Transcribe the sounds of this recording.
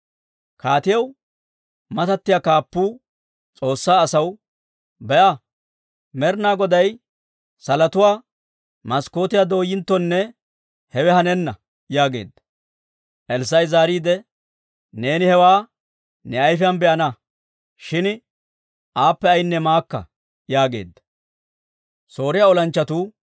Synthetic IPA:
kaːt̪ɪjɐw | mɐt̪ɐt̪ːɪjaːkaːpːuː | t͡sʼo̞ːsːaːɐsɐw | bɛʔa | mɛɾnaːɡɔd̪ɐj | sɐlɐt̪ʊwaː | mɐsko̞ːt̪ɪjad̪o̞ːjːɪnt̪ːɔnːɛ | hɛwɛhɐnɛnːɐ | jaːɡe̞̰ːd̪ːɐ | ʔɛls̬ɐjzaːɾiːd̪ɛ | ne̞ːnɪhɛwaː | nɛɐjfɪjɐnbɛʔɐnɐ | ʃɪn | ʔaːpːɛɐjɪnːɛmaːkːɐ̰ | jaːɡe̞̰ːd̪ːɐ̥ | so̞ːɾɪjaːɔlɐnt͡ʃːɐt̪uː

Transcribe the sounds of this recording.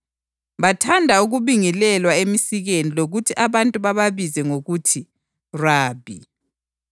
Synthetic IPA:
βatʰandʱauɣuβiŋilɛlwaemisiɣeniloɣutʰiʔaβantʼuβaβaβizɛŋoɣutʰi | raːbʱḭ

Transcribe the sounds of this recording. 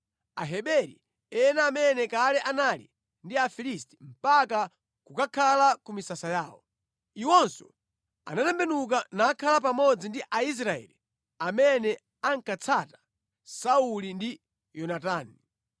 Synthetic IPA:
a̰ɦɛɓɛɾḭ | ɛnaːmɛnɛkalɛʔanalḭ | ndiafilisti̥m̩paka | kukakʰalakumisasajaːwɔ̰ | iwɔnsɔ̰ | a̰natɛmbɛnuk̬anaːkʰalapamɔd͡zindiʔais̬ɾaɛ̰li | amɛnɛ | aŋkat͡sʰatḁ | saulindi | jɔnataːni

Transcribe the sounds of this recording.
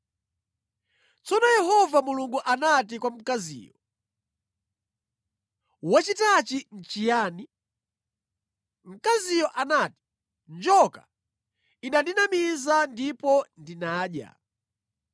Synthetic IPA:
t͡sɔnɔjɛɦɔvamuluŋɡuʔanatikwam̩kazḭːjɔ | wat͡ʃitat͡ʃin̩t͡ʃijaːni | m̩kazijɔʔanaːti̥ | nd͡ʒɔka | inandinamizandipɔndinaːɗja̰

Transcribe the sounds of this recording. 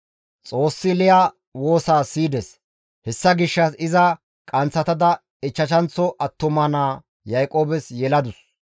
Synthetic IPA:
t͡sʼo̞ːsːɪlɪja | wo̞ːsaːsiːd̪ɛs | hɛsːɐɡɪʃːɐsɪzɐ | kʼɐnt͡sːɐt̪ɐd̪ɐ | ɪt͡ʃːɐt͡ʃɐnt͡sːɔʔɐt̪ːʊmɐnaː | jɐjkʼo̞ːbɛsjɛlɐd̪ʊs

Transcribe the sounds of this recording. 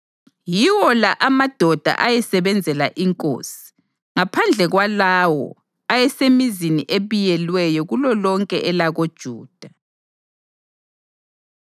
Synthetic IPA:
jiwɔlaʔamad̥ʱɔd̥ʱa̰ʔajɛsɛβɛnd͡zʱɛla̰ʔiŋkʼo̰ːsi̥ | ŋapʰand͡ɮʱɛɣwalawɔ̰ | ajɛsemiziniʔeβijɛlwɛjɔɣulɔlɔŋkʼɛ̰ʔɛlaɣod̥ʒ̥ʱuːd̥ʱa

